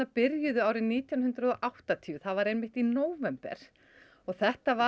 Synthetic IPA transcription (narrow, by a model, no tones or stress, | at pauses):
apɪɾjʏðʏaːwɾɪniːt̪janɦʏnt̪ɾʏðɔʔawht̪at̪ʰiʏθaðvaɾejmːɪht̪inoːwvɛmpɛ̰ɾ̥ | ɔɣθɛht̪ava